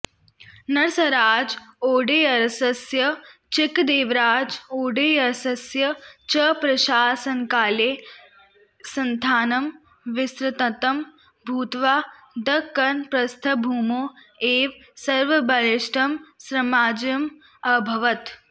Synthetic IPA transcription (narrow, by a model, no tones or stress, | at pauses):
nɐɾsɐɾaːd͡ʒoːɖeːɐɾsɐsjɐt͡ʃɪkd̪eːʋɾaːd͡ʒoːɖeːɐɾsɐsjɐt͡ʃɐpɾɐʃaːsɐnkaːleː | sɐnt̪ʰaːnɐm | ʋɪsɾɐt̪ɐt̪ɐm | bʱuːt̪ʋaː | d̪ɐkːɐnpɾɐst̪ʰɐbʱuːmoː | eːʋsɐɾʋɐbɐlɪʃʈɐmsɾɐmaːd͡ʒjɐm | ɐbʱɐʋɐt̪